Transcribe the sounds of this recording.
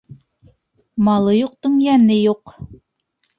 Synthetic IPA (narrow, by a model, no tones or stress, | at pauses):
mɑlˠɤjuq̚t̪ɵ̆ŋjænɘjuq